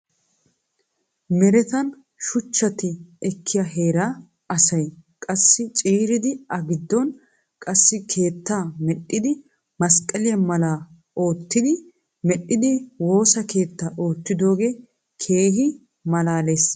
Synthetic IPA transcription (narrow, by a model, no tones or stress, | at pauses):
mɛɾɛt̪ɐn | ʃʊt͡ʃːɐt̪ɪɛkʰːɪjɐɦe̞ːɾaː | ɐsɐjkʼɐsːɪt͡ʃʼiːɾɪd̪ɪɐɡɪd̪ːɔn | kʼɐsːɪkʰe̞ːt̪ːaːmɛɗːɪd̪ɪ | mɐskʼːɐlɪjɐmɐlaː | o̞ːt̪ːɪd̪ɪ | mɛɗːɪd̪ɪwo̞ːsɐke̞ːt̪ːaːʔo̞ːt̪ːɪd̪o̞ːɡeː | kʰe̞ːɦɪ | mɐlaːleːs